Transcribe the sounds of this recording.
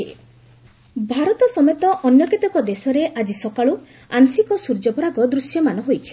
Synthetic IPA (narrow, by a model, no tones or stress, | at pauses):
bʱaɾɔt̪ɔsɔmet̪ɔʔɔnjɔkit̪ɔkɔd̪esɔɾeʔad͡ʒisɔkaɭu | ansikɔsuɾd͡ʒɔpɔɾakɔd̪ɾusjɔmanɔɦojt͡ʃʰi̥